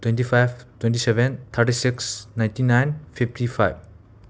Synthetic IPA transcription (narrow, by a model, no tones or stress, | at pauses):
twẽntipʰajb̚twent̬isebent̪ʰaɾʈisiksnaj̃ntinajnpʰiptʰipʰa̰jb̚